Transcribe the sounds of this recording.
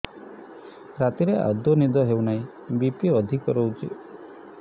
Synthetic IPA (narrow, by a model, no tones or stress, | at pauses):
ɾat̪iɾea̰d̪ɔnid̪ɔɦewnaĩ | bipiɔd̪ʱikɔɾowt͡ʃḭ